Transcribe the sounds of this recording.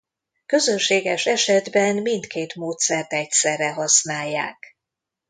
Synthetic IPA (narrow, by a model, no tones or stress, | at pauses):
kø̞zønʃeːɡɛʃɛʃɛd̪bɛnmint̪keːt̪moːt̪sɛrt̪ɛc̪̚sɛrːɛɦɒsnaːjːa̰ːk